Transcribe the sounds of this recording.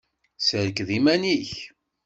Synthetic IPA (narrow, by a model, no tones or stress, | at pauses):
səɾəkðimæniç